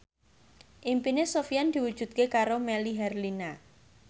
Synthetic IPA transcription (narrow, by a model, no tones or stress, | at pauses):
ʔimpinesofijand̪̥i̤wud̥ʒ̥ṳt̪̚kekaɾomɛliɦɛrlina